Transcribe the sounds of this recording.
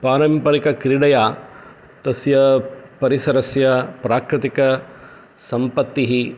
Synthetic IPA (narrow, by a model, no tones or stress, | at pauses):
paːɾɐmpɐɾikɐkɾiɽɐjaː | t̪ɐsjɐpɐɾisɐɾɐsjɐpɾaːkɾɪt̪ikɐ | sɐmpɐt̪ːiɦi